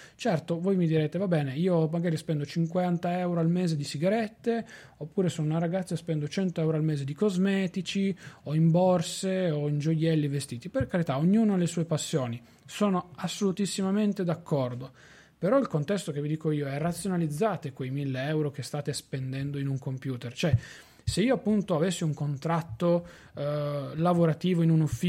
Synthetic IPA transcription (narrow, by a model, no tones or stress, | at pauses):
t͡ʃɛrt̪ovojmid̪iɾeːt̪evabɛːneiːomaɡaːɾispɛnd̪ot͡ʃiŋkwant̪aɛwɾoalmɛːzed̪isiɡaɾɛt̪ːe | opːuːɾesonunaraɡat̪sːaspɛnd̪ot͡ʃɛnt̪oɛwɾoalmɛːzed̪ikozmɛːt̪it͡ʃioimbɔrseoind͡ʒojɛlːivest̪iːt̪iperkaɾit̪aoɲːuːnolesuːepasːjoːni | soːnoasːolut̪isːimament̪ed̪akːɔrd̪o | peɾɔilkont̪ɛst̪ok̟evid̪iːkoiːoɛrːat̪sːjonalid̪zːaːt̪ekwejmilːeɛwɾok̟est̪aːt̪espend̪ɛnd̪oinuŋkompjuːt̪ert͡ʃoɛ | seiːoapːunt̪oavesːiuŋkont̪ɾat̪ːo | lavoɾat̪iːvoinunufːi